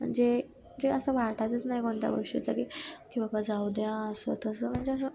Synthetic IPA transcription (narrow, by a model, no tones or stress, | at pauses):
m̤ə̰ɳd͡ze | d͡zeəsəːʋaɾʈʰat͡sət͡snaɦikoɳt̪ja̰ʋə̰ʂḭt͡sakikibabad͡zaud̪jãəsət̪əsəːm̤əɳd͡zeəs̬ə